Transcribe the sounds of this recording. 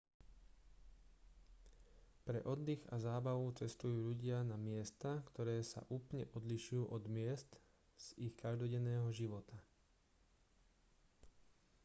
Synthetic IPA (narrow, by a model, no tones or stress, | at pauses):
pɾɛ̰ʔɔd̪ːiɣa̰zaːbaʋut͡sɛst̪ujuːʎuɟɪanamɪɛst̪akt̪ɔɾɛːsa̰ʔuːplɲɛʔɔd̪liʃujuːʔɔd̪mɪɛst̪ | z̥ixkaʒd̪ɔɟɛnːɛːɦɔʒiʋɔt̪a